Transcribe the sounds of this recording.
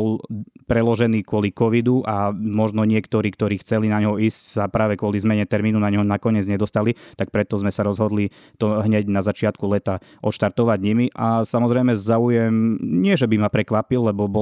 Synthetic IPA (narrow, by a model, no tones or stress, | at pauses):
ɔlpɾɛlɔʒɛniːkʊɔlikɔʋid̪uʔamɔʒnɔɲɪɛkt̪ɔɾiːkt̪ɔɾiːxt͡sɛlinaɲɦɔiːscsapɾaːʋɛkwʊɔlizmɛɲɛt̪ɛɾmiːnunaɲɦɔnakɔɲɪɛd͡zɲɛd̪ɔst̪alit̪ak̚pɾɛt̪ɔzmɛsaɾɔzɦɔd̪li | t̪ɔɦɲɛɟnazat͡ʃɪat̪kulɛt̪aʔɔt̪ʃt̪aɾt̪ɔʋaɟɲimiʔasamɔzɾɛjmɛzaujɛmɲɪɛʒɛbimapɾɛkʋapilːɛbɔbɔ